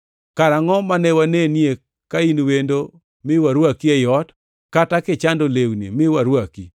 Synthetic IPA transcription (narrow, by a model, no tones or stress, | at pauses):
kaɾaŋɔmanɛwanenije | kainwendo | mɪwaɾwakiɛjɔt | katakɪt͡ʃandolewnḭmɪwaɾwaki